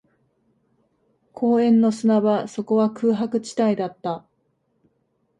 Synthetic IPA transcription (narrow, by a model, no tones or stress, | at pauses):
kʰo̞ːẽ̞nːo̞sɨnaβaso̞ko̞βakɯːɦakɯ̟t͡ɕi̥t̪aid̪at̪ːa